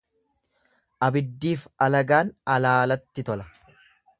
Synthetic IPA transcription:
ʔɐbɪd̪ːiːfɐlɐɡaːnɐlaːlɐt̪ːɪt̪ɔlɐ

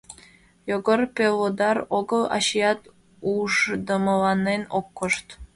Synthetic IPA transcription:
joɡərpelod̪ɑɾoɡəlˠɑ̰ɕijɑt̪ | uʒd̪ə̆məlɑnːenokːoʃt̪

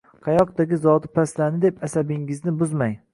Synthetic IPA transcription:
qʰɑjɒq̚d̪aɡʲɪzɒd̪ɪpʰaslanɪd̪epasabɪŋɪznɪbʊzmaj

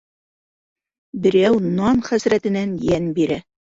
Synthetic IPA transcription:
bɘ̆ɾæwnɑnχæsɾæt̪ɘ̆nænjænbiɾæ

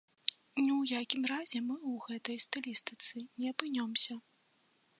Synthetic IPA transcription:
nʲɛwjakʲimrazʲɛmɨwɣɛt̪ɐjst̪ɐlʲist̪ɨt̪sɨnʲɛɐpɨnʲɔmsʲɐ

